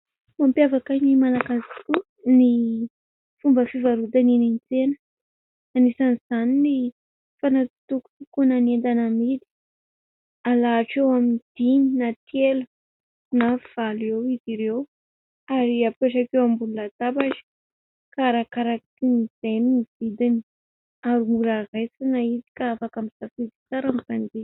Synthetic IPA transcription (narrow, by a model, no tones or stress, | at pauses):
mampjavakajnimalakaziku | ni | fumbəfivaɾud̪aninint͡senə̥ | anisaniz̥anini | fanat̪uku̥t̪ikunanend̪anamid̪i̥ | alaːʈ͡ʂewamind̪̥ininat̪jelu | nav̥alewiziɾew | aɾiapeʈ͡ʂakewambululat̪abaʈ͡ʂə̥ | kaɾakaɾakit̪iniz̥ejniniv̥id̪ini | aɾumuɾarajsinaid̪i̥kaafakamizafid̪i̥t͡saɾamivand̪i